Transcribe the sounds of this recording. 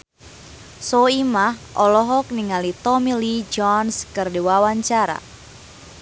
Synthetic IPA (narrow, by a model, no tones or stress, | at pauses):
soimahʔɔlɔɦɔk̚niŋalit̪ɔmilid͡ʒɔnskɨrdiwawaɲt͡ʃaɾa̰